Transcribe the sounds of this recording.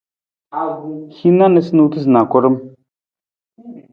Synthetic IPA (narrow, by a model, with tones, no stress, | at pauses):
xi˦na˦nə˨snu˨t̪ʰɨ˦zna˨kʷɔ˦ɾə˦m